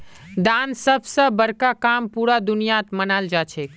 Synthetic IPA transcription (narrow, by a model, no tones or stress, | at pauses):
d̪ansəbʱsə̃bəɾkakampuɾad̪unijat̪mənald͡ʒat͡ʃʰɛ